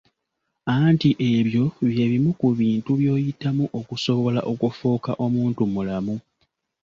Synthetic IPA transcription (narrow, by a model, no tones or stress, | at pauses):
antiʔe̞βjo̞βje̞βimukuβiːntuβjo̞ːjitːamuʔo̞kuso̞βo̞la̰ʔo̞kufuːka̰ʔo̞muːntumulamu